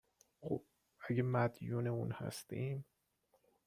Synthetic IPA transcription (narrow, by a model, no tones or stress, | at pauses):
xob | æɡemæd̪juːneṵːnhæ̰st̪iːm